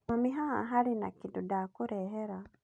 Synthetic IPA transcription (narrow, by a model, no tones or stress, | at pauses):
amiɦaa̰ɦalinakidudakuɾɛɦeɾa